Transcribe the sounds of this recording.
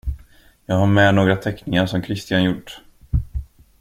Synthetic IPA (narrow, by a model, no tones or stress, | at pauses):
jɑːɡhaɾmɛːnoːɡɾat̪ʰɛknɪŋaʂɔmkʰɾɪst̪ɪanjʊʈː